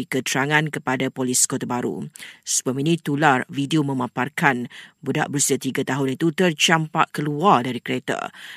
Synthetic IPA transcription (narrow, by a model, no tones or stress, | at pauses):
ikət̪ɾaŋãnkəpadapolɪskot̪abaɾṵsəbuaminĩt̪ularvidiomə̃mãparkanbuda̰ʔbəɾusiat̪iɡat̪aɦʊnit̪ut̪ərt͡ʃampaʔkəluardaɾikəɾet̪a̰